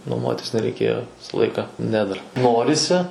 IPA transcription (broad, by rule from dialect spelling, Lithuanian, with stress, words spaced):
nuɔˈmuɔtʲɪs nʲɛrʲɛɪˈkʲeːjoː ˈʋʲɪsɐ ˈlˠɐɪkɐ ˈnʲɛ dɐr ˈnoːrʲɪsʲɪ